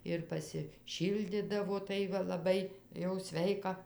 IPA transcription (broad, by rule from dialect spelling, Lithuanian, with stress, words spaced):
ɪr pɐsʲɪˈʃʲiːlʲdʲɪdɐʋoː ˈtɐɪ ʋɐ lˠɐˈbɐɪ jɛʊ ˈsʲʋʲɛɪkɐ